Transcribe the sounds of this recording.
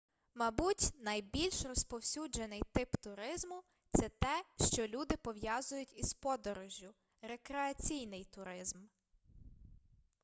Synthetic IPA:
mɐbutʲnɐjbʲilʲʃrɔspɔwsʲud͡ʒenɪjt̪ɪpt̪ʊɾɪzmʊ | t̪sɛt̪ɛʃt͡ʃɔlʲud̪ɪpɔʋjɑzʊjʊtʲispɔd̪ɔɾɔʒʲjːʊ | ɾekɾeɐt͡sʲijnɪjt̪ʊɾɪzm

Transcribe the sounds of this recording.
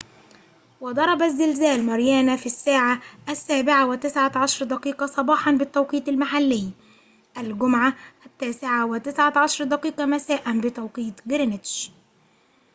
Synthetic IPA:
wɪd̪ˤɑɾˤɑbæzːɪlzæːlmɑɾjæːnæfisːaːʕaʔæsːæːbɪʕawɪt̪ɪsʕaʕɑʃɾˤd̪æqiːqɑsˤɑbɑːħɑnbɪt̪ːæwqiːt̪ɪlmaħalːɪjː | ʔælɡʊmʕaʔæt̪ːæːsɪʕawɪt̪ɪsʕaʕɑʃɾˤd̪æqiːqɑmæsæːʔænbɪt̪ɑwqiːt̪ɡɪɾnɪt̪ʃ

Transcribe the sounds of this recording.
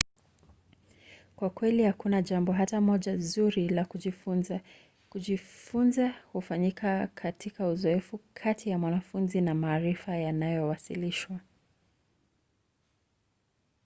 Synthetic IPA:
kwakwɛlihakunaʄambɔɦatamɔʄazuɾilaku | uifunzahufaɲikakʰatikauzɔɛfukʰatʰijamwanafunzinamaːɾifajanajɔwasḭliʃwa

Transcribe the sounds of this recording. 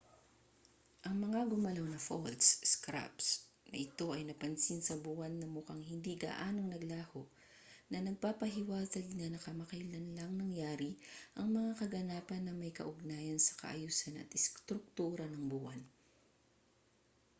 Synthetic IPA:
ʔɐŋmɐŋaɡʊmɐlownɐfolsskɾa̰ps | nɐʔɪt̪o̞ʔɐjnɐpɐnsinsɐbuːhɐnːɐmʊkaŋhɪnd̪iɡa̰ʔaːnoŋnɐɡlaːhoʔ | nɐnɐɡ̚papɐɦɪwaːzɐɡnɐnɐkɐmɐkɐjlɐnlɐŋnɐŋjaːɾiʔɐŋmɐŋakɐɡɐnaːpɐnːɐmɐjkɐ̰ʔʊɡ̚naːjɐnsɐ̥kɐ̰ʔɐ̰juːsɐnɐ̰t̪ɪst̪ɾʊk̚t̪uːɾɐnɐŋbuʔɐn

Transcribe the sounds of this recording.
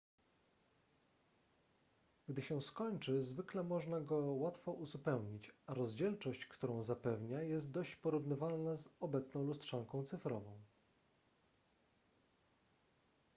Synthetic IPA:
ɡd̪ɘɕɛskɔɲt͡ʂɘzvɘklɛmɔʐnaɡɔwat̪fɔʔuzupɛwɲit͡ɕaɾɔzd͡ʑɛlt͡ʂɔɕt͡ɕkt̪uɾɔ̃w̃zapɛvɲajɛst̪̚d̪ɔɕt͡ɕpɔɾuvnɘvalnazɔbɛt̪snɔ̃w̃lust̪ʂaŋkɔ̃w̃t̪sɘfɾɔvɔ̃w̃

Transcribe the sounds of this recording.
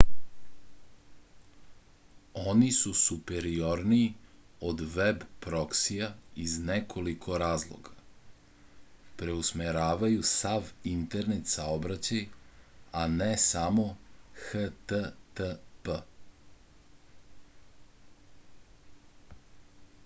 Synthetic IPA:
onisusupeɾioɾniːod̪ʋebpɾoksijaiznekʰo̞likʰo̞ɾaːzlˠo̰ɡa | pɾeusmeɾaːʋajusaʋint̪e̞ɾne̞t̪saobɾat͡ɕaj | anɛsamo̞xət̪ət̪pə

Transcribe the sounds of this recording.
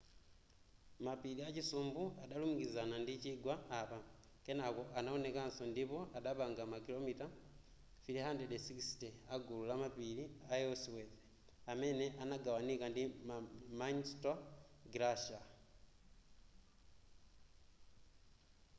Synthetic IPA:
mapiliacisuːmbuaɗalumuɡizanandiciɡwaːβa | kenako̞ʔanaone̞kansondipo̞aɗaβaːŋɡamakilo̞mita | filihandedesikisteaɡululamapiliajoswed | ame̞ne̞ʔanaɡawanikandimanstoɡɾaʃa

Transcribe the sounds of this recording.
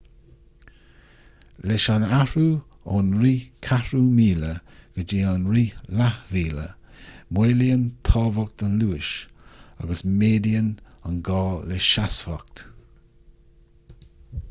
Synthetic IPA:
lɛʃanaɾu | onɾiːkʰaɾumiːləɡ̥əd͡ʒiːanɹiːlahviːlə̰ | mweːliənt̪ʰɑːvɔk̚t̪ənluːɪʃa̰ɡəsmeːd̪iənənɡɔːlɛʃasfɔk̚t̪

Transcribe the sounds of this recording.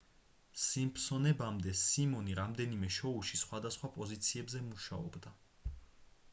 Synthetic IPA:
simpʰsɔnɛbamd̪ɛsimɔniɾamd̪ɛnimɛʃɔuʃisχwad̪asχwapʼɔzit̪sʰiɛbzɛmuʃaɔbd̪a

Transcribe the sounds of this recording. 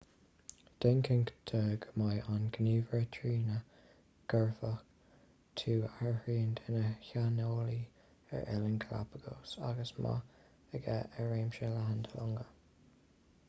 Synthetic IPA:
d̪̥ɪŋkʰəŋkd̪̥ʰəɡəmajʔanɡniːvəɹətʰɹiːnə | ɡ̥əɹfək | t̪ʰuːaɹəhɹiːnd̪ɪnəçanoːli | ɛ̰ɹʔɛ̰lənkʰla̰pʰəɡ̥o̰ːsa̰ɡəsmʔa̰ | əɡɛʔəɹeːmʃəlaɦənd̪ʰəlʊŋɡə

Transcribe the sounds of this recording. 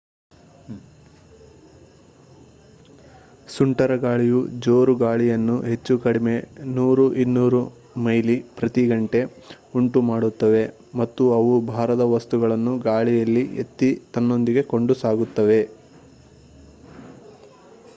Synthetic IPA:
suɳʈɐɾɐɡaːɭijud͡ʒoːɾuɡaːɭijɐnːuɦe̞t͡ʃːukɐɽime̞nuːɾuʔinːuːɾu | mɐjlipɾɐt̪iɡɐɳʈe̞ | uɳʈumaːɽut̪ːɐʋe̞ | mɐt̪ːuɐʋubʱaːɾɐd̪ɐʋɐst̪uɡɐɭɐnːuɡaːɭijɐlːiḛt̪ːit̪ɐnːo̞nd̪iɡe̞ko̞ɳɖusaːɡut̪ːɐʋe̞

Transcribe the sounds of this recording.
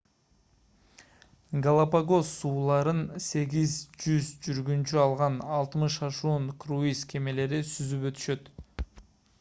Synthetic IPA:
ɡalˠapaɡo̞sːuːlˠɑɾɯnse̞ɡʲizd͡ʒyzd͡ʒyɾɡynt͡ʃyɑlˠʁɑnɑlˠt̪mɯʃɑʃuːɴkruiskʰe̞me̞le̞ɾisyzypø̞t̪y̥ʃø̞t̪

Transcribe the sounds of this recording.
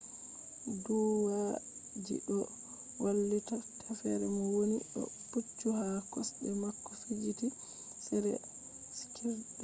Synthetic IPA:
duwa | d͡ʒḭɗɔ | walːitatʰafɛɾɛmɔwoniɗɔ̰tut͡ʃːuɦakɔsbɛmakːɔfid͡ʒiti | sɛɾɛ̰ | skʰɛdɛ

